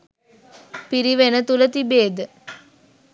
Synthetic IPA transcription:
piɾiʋenət̪ulət̪ibeːd̪ə

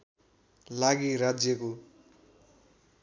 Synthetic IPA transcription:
laɡiɾad͡zjʌko

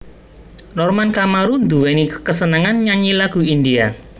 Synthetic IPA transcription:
nɔrmankamaɾund̪uwɛnikəsənaŋanɲaɲilaɡ̥ṳind̪ia

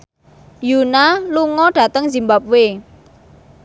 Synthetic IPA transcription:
junaluŋɔɖ̥a̤t̪əŋzimbap̚we

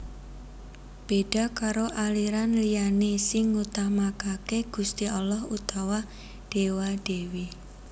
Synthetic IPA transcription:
b̥eɖ̥a̤kaɾoʔaliɾanlijanesɪŋːut̪amakakeɡ̥ṳst̪iɔlɔhut̪awa | ɖ̥ewaɖ̥e̤wi

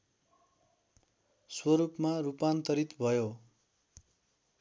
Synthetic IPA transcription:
swʌɾupmarupant̪ʌɾit̪bʱʌjo

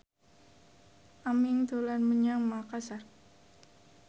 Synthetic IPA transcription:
ʔamɪŋd̪olanməɲaŋmakasar

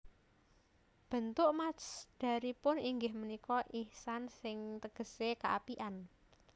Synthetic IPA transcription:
b̥ə̤nt̪ʊʔmasd̪̥ä̤ɾipʊniŋɡɪhmənikɔʔihsansɪŋt̪əɡ̥ə̤sekaʔapiʔan

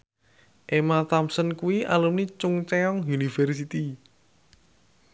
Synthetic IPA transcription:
ʔemat̪amsənkuwiʔalumnit͡ʃʊŋt͡ʃeɔŋjunifɛrsit̪i

